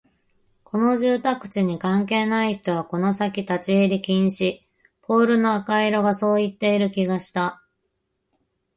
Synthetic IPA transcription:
kʰo̞no̞ʑɨːt̪akɯ̟̥t͡ɕiɲ̟ikãŋke̞ːnaiçi̥t̪o̞βako̞no̞sakʲit̪at͡ɕieɾʲikʲĩɰ̃ɕi | pʰo̞ːɾɯ̟no̞akaiɾo̞ɡaso̞ːit̪ːe̞iɾɯ̟kʲiɡaɕi̥t̪a

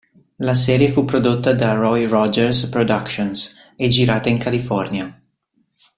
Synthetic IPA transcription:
lasɛːɾjefupːɾod̪ot̪ːad̪arɔjrɔd͡ʒɛɾspɾod̪akʃons | ed͡ʒiɾaːt̪aiŋkalifɔrnja

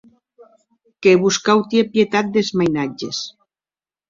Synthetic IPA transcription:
keβuskawt̪iepjet̪at̪̚d̪ezmajnad͡ʒes

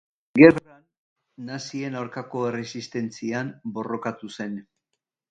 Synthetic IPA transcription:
ɡe̞ranː | asie̞nawɾkako̞ere̞sist̪e̞nt͡siambo̞ro̞kat̪use̞n

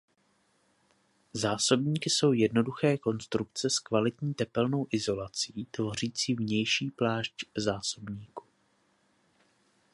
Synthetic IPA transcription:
zaːso̞bɲiːkɪso̞wjɛdno̞duxɛːko̞nst̪ɾuk̚t͡sɛskvalɪt̪ɲiːt̪ɛpɛlno̞wʔɪzo̞lat͡siːt̪vo̞r̝iːt͡siːvɲɛjʃiːplaːʒczaːso̞bɲiːku̥

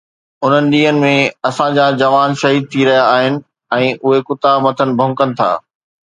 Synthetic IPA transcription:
ʊn̤ənɪ̆ɗiːənɪ̆mẽɐsãd͡ʑaːd͡ʑɐʋaːnʃɐɦiːd̪̚t̪ʰiɾɐɦijaːɦɪnɪ̆ | ɛ̃ːʔʊɦekʊt̪aːbmɐt̪ʰənɪ̆bʱɐ̃ŋkənɪ̆t̪ʰa̰ː

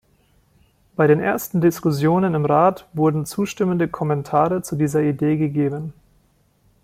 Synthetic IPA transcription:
b̥aɪɾeːnʔeːɐstn̩dɪskʊsjoːnənɪmʁaːtv̥ʊɐdn̩t͡suːʃtɪməndəkʰɔmɛntʰaːʁət͡sudiːzɐideːɡəɡeːbən

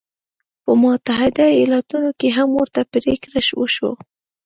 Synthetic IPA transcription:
pəmʊt̪aɦɪd̪ajɑlɑt̪unokeɦamwoɾt̪apɾekɾaʃwəʃwo̰

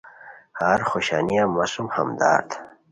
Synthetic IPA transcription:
haɾxoɕaːnijamasumhɐmd̪a̰ːɾt̪

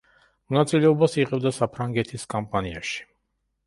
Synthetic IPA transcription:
mɔnat̪sʼilɛɔbasiʁɛbd̪asapʰɾaŋɡɛt̪ʰiskʼampʼania̰ʃi̥

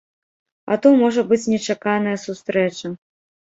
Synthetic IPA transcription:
ɐ̰t̪ɔmɔʐɐbɨt͡sʲnʲɛt͡ʂakanɐjɐsust̪ɾɛt͡ʂɐ

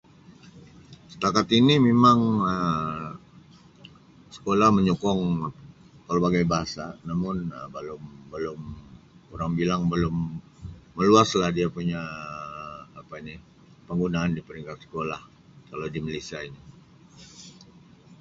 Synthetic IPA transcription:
sə̥t̪akat̪inimemaŋə | sə̥kolahməɲukɔŋ | kəlobaɡajbaɦasanamʊnəbəlʊmbəlʊm | uɾaŋbilaŋbəlʊmː | əluaslahdiapuɲa | pani | pəŋɡunaːndipəɾiŋkat̪sə̥kolah | kalawdiməlisiaini

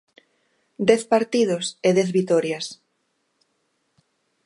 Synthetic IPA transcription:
d̪ɛθpaɾt̪ið̞oseðɛθβit̪ɔɾjas

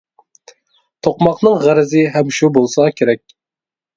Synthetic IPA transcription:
t̪ʰoqmɑqnɨŋʁæɾɪzɪɦɛmʃubolˠsɑkʲʰeɾɛk̚ʲ

